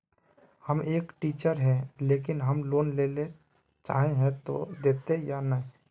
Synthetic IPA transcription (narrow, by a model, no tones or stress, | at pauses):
həmeːkʈiːt͡ʃəɾɦɛ̃leːkɪnɦəmloːnleːle | t͡ʃa̰ːɦẽɦɛ̃t̪o̰d̪eːt̪ejanəɦ